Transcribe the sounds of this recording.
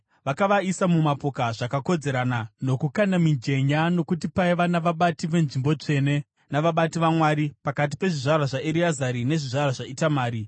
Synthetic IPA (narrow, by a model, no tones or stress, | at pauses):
ʋakaʋaisamumapo̞kaʐakako̞d͡ze̞ɾanano̞kukanamiɲd͡ʒe̞ɲano̞kutipaiʋanaʋaɓatiʋe̞nʐimbo̞t͡ʂe̞ne̞ | naʋaɓatiʋamwaɾipakat̬ipe̞ʐiʐarwaʐaʔeɾiazaɾine̞ʐiʐarwaʐaitamaːɾi